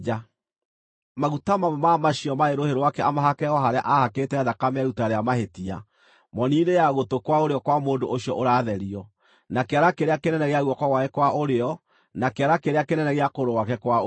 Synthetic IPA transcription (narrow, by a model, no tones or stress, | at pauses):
a | maɣutamamɛmamaɕiɔmaeɾoheɾowakɛamaɦakɛɔɦaɾea̰ʔahaketɛːðakamɛɣutaɾeamahetia̰ | mɔniːnejaɣotokwaoɾeɔkwamoːndoʔoɕjɔʔoɾaːðɛɾiɔ | nakeaɾakeɾeakenɛnɛɣeaɣwɔkwaɣwaekwaʔoɾeɔ | nakeaɾakeɾeakenɛnɛɣeakoɾowakɛkwa